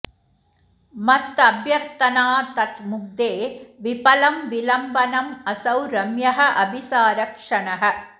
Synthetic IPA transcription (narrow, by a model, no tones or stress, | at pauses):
mɐt̪ːɐbʱjɐɾt̪ɐnaːt̪ɐt̪mʊk̚d̪eːʋipɐlɐmʋilɐmbɐnɐmɐsɐwɾɐmjɐɦɐʔɐbʱisaːɾɐkʂɐɳɐɦɐ̆